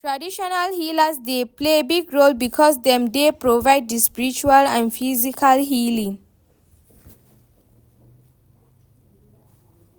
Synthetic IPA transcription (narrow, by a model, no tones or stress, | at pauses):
ʈɾaɖiʃonalhiːlasd̪eplebiɡɾoːlbikʰɔːsd̪ẽmdepɾoʋaɪɖ̚ːispiɾit͡ʃualãnɖfizikʰalɦiːlĩŋ